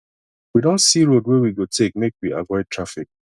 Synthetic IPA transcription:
widõntsiɹodwewiɡotʰek̚mekwiʔa̰vɔɪd̚tʰɹafik̚

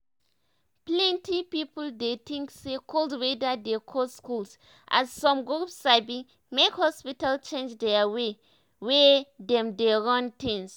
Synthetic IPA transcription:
plɛ̃ntipipuldet̪ĩŋksekʰolswedadekʰɔskuls | ʔa̰zsɔ̃mɡɹupsabĩ | mekhɔspitalt͡ʃẽnd͡ʒdɛawe | wɛdɛ̃mdeɹɔ̃ntĩns

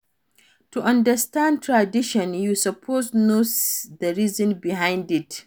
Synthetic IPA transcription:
tuʔɐ̃ndəstãnd̚tʰɹadiʃɔ̃njusɐpʰoznosd̪əɾizɔ̃nbiɦãj̃ndit

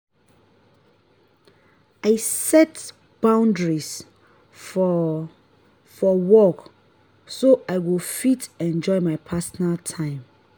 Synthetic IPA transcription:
aɪsɛt | b̥ãʊ̃ndɹis | f | fɔwɔk | soʔaɪwilfitɛ̃nd͡ʒɔɪmaɪpʰasɔnaltʰãɪ̃m

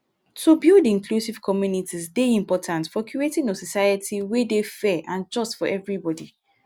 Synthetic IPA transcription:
tʰubidĩŋkʰlusiv̥kʰɔmjunitʰisdeĩmpɔtʰãntfɔkʰietĩnosɔsajətʰiwedefɛʔãnd͡ʒɔstfɔʔɛvɹibɔdi

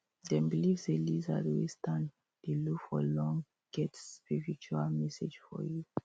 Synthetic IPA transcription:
dɛ̃nbilivzeliza̰dwistãn | elukfɔlɔ̃ŋ | ɡ̥ɛtspiɹit͡ʃualmɛsed͡ʒfɔ̰ju

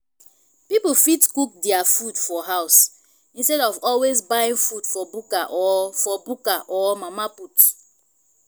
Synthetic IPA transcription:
pipofitkuk̚dɛafudfɔɦaʊs | ĩnstɛɾɔvɔlwezbajĩŋfudfɔbukaʔɔfɔbukaʔɔmamaput

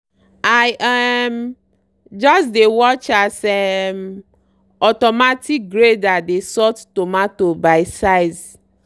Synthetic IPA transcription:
ajʔɛm | d͡ʒɔs̬dewɔt͡ʃasɛm | ɔtɔmatik̚ɡɾedadesɔttomãtobaɪsaɪz

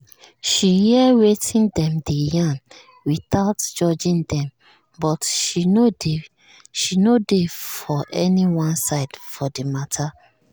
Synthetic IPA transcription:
ʃihiɛwetʰĩndɛ̃mdejãn | wiθaʊtd͡ʒɔd͡ʒĩndɛ̃m | bɔtʃinode | ʃinodefɔʔɛniwɔ̃nsaɪdfɔdematʰa

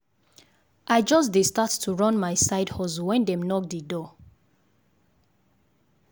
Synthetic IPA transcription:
ʔaɪd͡ʒɔsdistattʰuɹɔ̃nmaɪsaɪdhɔzuwɛ̃ndɛ̃mnɔk̚didɔ

